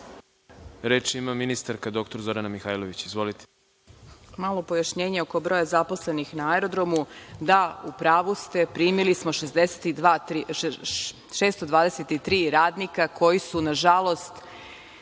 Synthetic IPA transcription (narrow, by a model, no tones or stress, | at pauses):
ɾeːt͡ʃimaminist̪aɾkad̪o̞kt̪oɾzo̞ɾanamixaːjlˠoʋit͡ɕizʋo̞lit̪e̥ | malˠo̞pojaʃɲe̞ːɲeo̞ko̞bɾo̞jazapo̞sle̞nixnaaɛɾo̞d̪ɾo̞mud̪aupɾaːʋust̪e̞pɾiːmilismo̞ʃezd̪eset̪id̪ʋat̪i | ʃeːst̪o̞d̪ʋaːd̪eset̪it̪ɾiːɾaːd̪nikakʰo̞jisunaʒalˠo̞st̪